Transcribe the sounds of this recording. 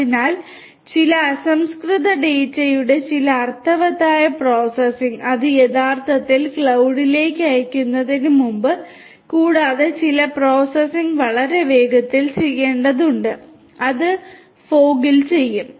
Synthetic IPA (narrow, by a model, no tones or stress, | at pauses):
inaːl | t͡ɕilɐːsɐmskrɨðɐɖeːtːɐjuɽe̞t͡ɕilɐɐrt̪ʰːɐʋɐt̪ːaːjɐpro̞ːsesiŋɡɐðɨje̞ðaːrt̪ʰɐt̪ːilkɭɐwɽile̞ːkʲːɨɐjɐkʲːunːɐðinumumbɨ | kuːɽaːðet͡ɕilɐpro̞ːsesiŋɡʋɐɭɐɾe̞ʋe̞ːɡɐt̪ːilt͡ɕe̞jːe̞ːɳɖɐðuɳɖɨ | ɐðɨ | fo̞ːɡilt͡ɕe̞jːum